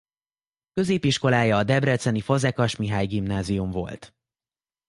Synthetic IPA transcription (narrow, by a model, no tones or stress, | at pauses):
kø̞zeːpiʃko̞laːjɒːd̪ɛbrɛt̪sɛnifo̞zɛkɒʃmiɦaːjɡimnaːzijumvo̞̰lt̪